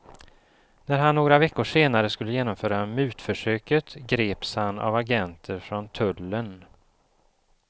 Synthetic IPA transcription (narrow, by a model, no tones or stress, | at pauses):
næɾɦanːoːɡɾavɛkːʊʂeːnaɾəskɵlːəjeːnɔmfœːɾamʉ̟ːt̪fœʂøːkət̪ɡɾeːpshana̰vaɡɛnt̪ʰəɾfɾɔnt̪ʰɵlːən